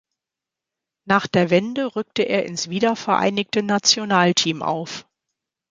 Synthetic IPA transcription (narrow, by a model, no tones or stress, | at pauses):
naːχd̥eːɐvɛndəʁʏk̚təʔḛːɐʔɪnsv̥iːdɐfɛɐʔa̰ɪnɪktənat͡sjonaːltʰiːmʔa̰ʊf